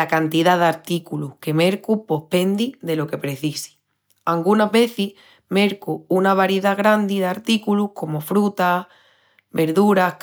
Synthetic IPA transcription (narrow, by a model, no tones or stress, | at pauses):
akant̪iðaðaɾt̪ikuluhke̞me̞ɾkupo̞hpe̞nd̪iðe̞lo̞ke̞pɾe̞θisi̥ | aŋɡunaɦβe̞θih | me̞ɾkuunaβaɾjiðaɣɾand̪iðaɾt̪ikuluhko̞mo̞fɾut̪a | βe̞ɾðuɾahk